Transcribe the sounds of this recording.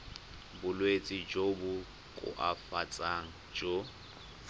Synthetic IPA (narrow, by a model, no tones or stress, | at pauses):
bʊlwet͡sʼɪd͡ʒobʊ | kʼʊ̰ʔafat͡sʼaŋ̩ | d͡ʒo